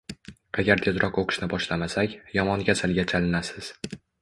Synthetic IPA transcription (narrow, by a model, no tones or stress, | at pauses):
aɡʲaɾt̪ʰezɾɒqoqʰɨ̥ʃnɪbɒʃlamasakʲjɒmɒnɡʲasalɡʲat͡ʃʰalɪnasɪz̥